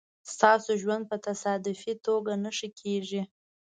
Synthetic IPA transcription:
st̪ɑsoʒwand̪̚pət̪asɑd̪ʊfit̪oɡanəʃikʰeʒi

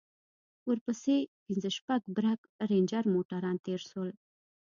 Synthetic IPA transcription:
wəɾpəsepinzəʃpaɡbɾak | ɾend͡ʒaɾmoʈaɾɑnt̪eɾʃwəl

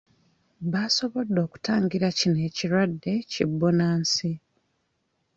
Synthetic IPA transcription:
βaːso̞βo̞dːo̞ːku̥taːŋɡiɾacine̞ːciɾwadːe̞cibːonaːnsi

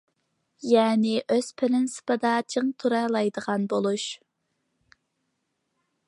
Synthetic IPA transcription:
jɛːnɪʔøz̥pʰɪlɪnsɨ̥pʰɨd̪ɑt͡ʃʰeŋt̪ʰuɾɑlˠɑjd̪əʁɑnbolˠuʃ

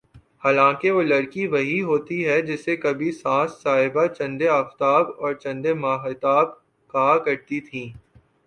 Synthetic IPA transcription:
haːlãːkeʋolɐɾkiʋɐɦiɦoːt̪iɦɛd͡ʒɪsekɐbʱisãːsːaːɦɪbat͡ʃɐ̃nd̪eɐft̪aːbɔːɾt͡ʃɐ̃nd̪emaːxɪt̪aːb̚ | kaːkɐɾt̪it̪ʰĩː

